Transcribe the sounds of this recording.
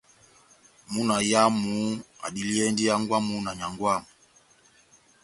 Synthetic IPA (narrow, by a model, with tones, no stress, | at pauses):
mu˦na˨ja˦mu˨˦a̰˨di˨˦li˦ɛ˦ndi˦ja˦ŋɡwa˦mu˦na˨ɲa˨ŋɡwa˦˨mu˨